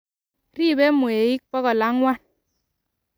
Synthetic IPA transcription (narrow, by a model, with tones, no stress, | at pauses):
ɾi˦˨bɛ˦mu˨e˨i˦k̚pɔ˦kɔ˨la˦ŋwa˦˨n